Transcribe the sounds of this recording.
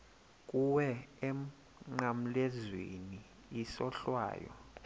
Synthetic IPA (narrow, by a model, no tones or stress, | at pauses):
k̬ʼuwɛɛm | ŋ͡ǃam̩lɛzwḛni | isɔɬwa̰ːjɔ̰